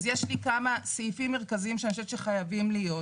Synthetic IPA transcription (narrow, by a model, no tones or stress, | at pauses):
zjeʃlikamasifimːeʁkaziimʃeanʃ̬etʃeχajavimlijo̞